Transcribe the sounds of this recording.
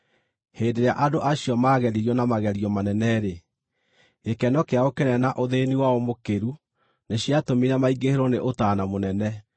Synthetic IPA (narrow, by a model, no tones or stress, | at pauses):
heːndeɾea̰ʔadoʔaɕiɔmaɣɛɾiɾiɔnamaɣɛɾiɔmanɛnɛɾe | ekɛnɔkeaokenɛnaʔoðeniwaɔmokeɾu | neɕjatomiɾamaiɡeheɾoneʔotaːnamonɛnɛ